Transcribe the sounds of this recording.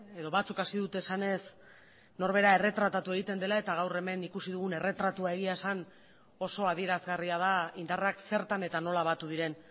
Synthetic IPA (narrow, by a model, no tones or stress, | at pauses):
e̞ðo̞βat͡sukasiðut̪e̞ːsane̞s | no̞ɾβe̞ɾae̞re̞t̪ɾat̪at̪ue̞ɣ̞it̪e̞nd̪e̞lae̞t̪aɣ̞awre̞me̞nikusiðuɣ̞une̞re̞t̪ɾat̪uae̞ɣiasan | o̞so̞aðie̞ɾazɣariað̞aind̪arakse̞ɾt̪ane̞t̪ano̞laβat̪uðiɾe̞n